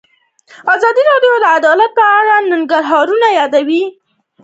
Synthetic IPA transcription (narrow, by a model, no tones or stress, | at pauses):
azɑd̪iɾɑɖjod̪əad̪ɑlat̪̚pəaɽanaŋɡaɾɦɑɾunajɑd̪awi